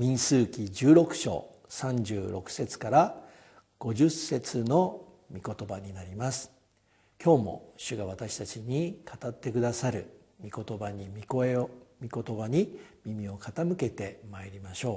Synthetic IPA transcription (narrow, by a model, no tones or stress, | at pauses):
ɲʲĩɰ̃sɨːkʲid͡ʑɨːɾo̞kɯ̟̥ɕo̞̰ː | sãɲd͡ʑɨːɾʔo̞kɯ̟̥se̞t͡sɨ̥kaɾa | ɡ̥o̞ʑɨsːe̞t͡sɨno̞ | mʲiko̞t̪o̞baɲ̟inaɾʲimasɨ̥ | kʲo̞ːmo̞̰ɕɨɡaβ̞at̪aɕi̥t̪at͡ɕiɲ̟ikʰat̪at̪ːe̞kɯ̟d̪asaɾɯ̟ | mʲiko̞t̪o̞baɲikoemʲiko̞t̪o̞baɲ̟imʲimʲio̞kat̪amɯ̟ke̞t̪e̞maeɾʲimaɕo̞ː